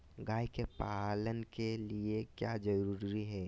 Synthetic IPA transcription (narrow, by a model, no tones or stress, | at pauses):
ɡaːikepalənkeliekjad͡ʒəɾuːɾɾiɦɛː